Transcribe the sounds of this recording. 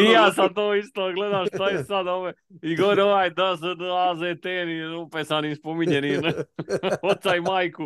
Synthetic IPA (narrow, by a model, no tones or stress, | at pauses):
ijaːsad̪̚t̪oːist̪oːɡled̪aʃʃt̪ajesad̪oːʋe | iɡoɾoʋajd̪asnlaːzet̪eːniupesanispomiɲenin | ot̪saimaːjku